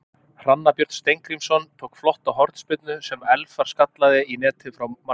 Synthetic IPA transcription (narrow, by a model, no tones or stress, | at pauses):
r̥anːapjœɾ̥t̪st̪ejŋkɾimsɔnt̪ʰoːwkflɔht̪awɦɔɾ̥t̪spɪt̪̚nʏsɛmɛlfaɾ̥skat̪laðɪinɛːt̪ʰɪfɾawma